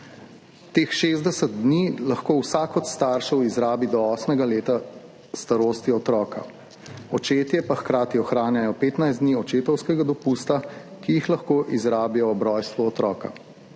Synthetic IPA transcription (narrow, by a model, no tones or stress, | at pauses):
t̪eːxʃeːzd̪ɛsət̪̚d̪niːlɐxkoːwsakɔt̪st̪aːɾʃɛwizɾaːbid̪ɔɔːsmɛɡaleːt̪a | st̪aɾoːst̪iɔt̪ɾɔːka̰ | ɔt͡ʃeːt̪jɛpaxkɾaːt̪iɔxɾaːnjajɔpeːt̪najzd̪niɔt͡ʃeːt̪ɔwskɛɡad̪ɔpuːst̪akijixlɐxkoːʔizɾaːbijɔːbɾɔːjst̪ʋuɔt̪ɾɔːka̰